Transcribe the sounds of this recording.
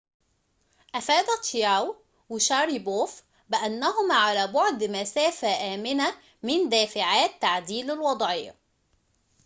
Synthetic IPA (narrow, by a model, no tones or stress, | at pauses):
ʔæfæːd̪æt̪jaːw | wɪʃɑɾiboːf | bɪʔænːæɦʊmaːʕalæːbʊʕd̪mæsæːfæʔæːmɪnæ | mɪnd̪æːfɪʕaːt̪ːaʕd̪iːlalwɑd̪ˤʕɪ̰ː